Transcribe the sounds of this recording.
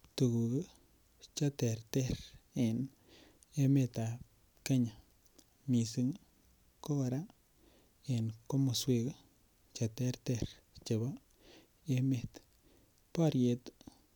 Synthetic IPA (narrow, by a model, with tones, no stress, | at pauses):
t̪u˨ɡu˨ɡə˦ | t͡ʃa˦t̪e˨ɾt̪e˦ɾe˨n | e˧me˦˧t̪a˨ | ka˦ɲa˨ | mi˨si˧ŋ | ko˦a˧ɾa˦ | e˨nko˦mo˨swe˧ɡ | t͡ʃa˨˧t̪e˧˦ɾt̪e˧ɾ | t͡ʃe˨ba˦ | e˧me˦˨t̪ | pa˦ɾje˧t̪